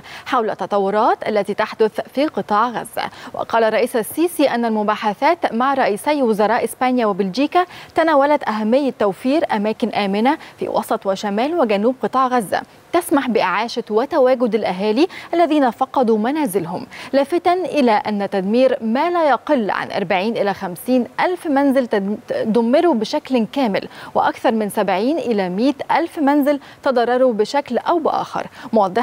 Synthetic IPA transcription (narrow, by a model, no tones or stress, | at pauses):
ħawlæt̪ːɑt̪ˤɑwːʊɾˤɑːt̪ʔælːæt̪iːt̪aħd̪ʊθfiːqɨt̪ˤɑːʕɣæ̰zːæ̰wæ̰qɑːlɑrˤːɑʔiːsæsːiːsiʔænːælmʊbaːħaθæːt̪maʕɾˤɑʔiːsæjwʊzɑɾˤɑːʔɪspænjawɪbɪld͡ʒiːkæt̪ænæːwælæt̪ʔæɦæmːɪjːɪt̪ːæwfiːɾʔæmæːkɪnʔæːmɪnæfḭːwʔɑ̰sˤɑt̪ˤwɪʃæmæːlwɪɡænuːb̚qɨt̪ˤɑːʕɣæzːæ̰ | t̪æsmaħbɪʔɪʕaːʃɪt̪wæt̪æwæːɡʊd̪alʔæɦæːliʔælːæðiːnæfɑqːɑd̪umænæːzɪlɦʊmlæːfɪt̪ænʔɪlæʔænːæt̪æd̪miːɾmæːlæjɑqelːʕa̰nʔɑ̰ɾˤbaʕiːnʔɪlæxæmsiːnʔælfmænzɪld̪ʊmːeɾubɪʃæklkæːmɪ̰lwɪ̰ʔɑkθɑɾˤmɪnsæbʕiːnʔɪlæmiːt̪ʔælfmænzɪl | t̪ɑd̪ˤɑrˤːɑɾˤubɪʃæklʔæwbɪʔɑ̰ːxɑ̰ɾˤmowɑd̪ˤːeħ